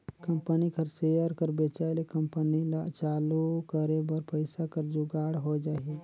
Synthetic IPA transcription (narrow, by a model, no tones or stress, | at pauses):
kə̃mpənikəɾsejəɾkəɾbet͡ʃaːelekəmpənilat͡ʃaːlukəɾebəɾpəɪsakəɾd͡ʒʊɡaːɽɦod͡ʒaːɦi